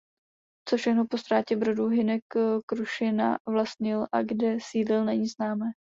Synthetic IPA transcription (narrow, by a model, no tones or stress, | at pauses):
t͡sofʃɛxno̞po̞st̪ɾaːcɛbɾoduɦɪnɛkkːɾuʃɪna̰vlast̪ɲɪlʔaɡdɛsiːdlɪlnɛɲiːznaːmɛː